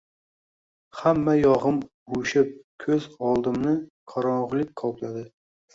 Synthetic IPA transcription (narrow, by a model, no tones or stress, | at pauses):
hamːajɒʁɨm | uʃɪp̚kʲʰɵzɒlˠd̪ɪmnɪqʰɑɾɒɴʁlˠɪk̚ʲqʰɒklad̪ɪ